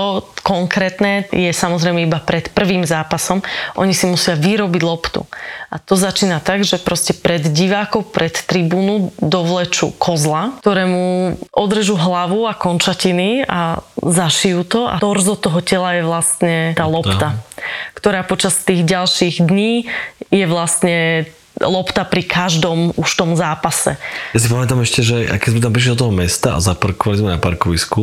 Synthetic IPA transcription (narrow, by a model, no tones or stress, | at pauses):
ɔkɔŋkɾɛːt̪nɛjɛsamɔzɾɛɪmɛibapɾɛt̪pr̩ʋiːmzaːpasɔmʔɔ̰ɲisimusɪaʋiɾɔbiɟlˠɔpt̪ṵat̪ɔzat͡ʃiːnat̪aɡʒɛpɾɔscɛpɾɛd̪ɟiʋaːkɔʊpɾʔɛt̪ːɾibuːnud̪ɔʋlɛt͡ʃṵkʰɔzlat̪ɔɾɛːmuʔɔd̪ɾʒuɦlaʋuakɔnt͡ʃacinia̰zaʃijuːt̪ɔa̰t̪ɔrzɔt̪ɔɦɔcɛlajɛʋlast̪ɲɛt̪aːlɔt̪akt̪ɔɾaːpɔt͡ʃast̪iːɣɟalʃiɣd̪ɲiːjɛʋlast̪ɲɛ | lɔpt̪apɾikʰaʒd̪ɔmuʃt̪ɔmzaːpasɛ̰jas̬ipamɛt̪amɛʃcɛʒɛʔa̰kɛzmɛt̪̬ampɾiʃ̬lid̪ɔt̪ɔɦɔmɛst̪aa̰zapaɾkɔʋalizmɛnapa̰ɾkɔʋisku